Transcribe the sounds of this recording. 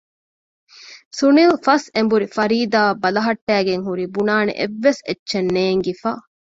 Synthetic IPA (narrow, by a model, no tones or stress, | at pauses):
sunilfɐsembuɾifɐɾiːd̪aːbɐlɐɦɐʈːæːɡeŋɦuɾibunaːnḛʔeʋːesetːʃenːeːŋɡifaː